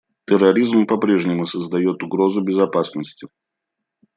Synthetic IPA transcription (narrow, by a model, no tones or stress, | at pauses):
t̪ʲərːɐɾʲizmpɐpɾʲe̞ʐnʲɪmʊsəzd̪ɐjo̞t̪ʊɡɾo̞zʊbʲɪzɐpasnəsʲtʲɪ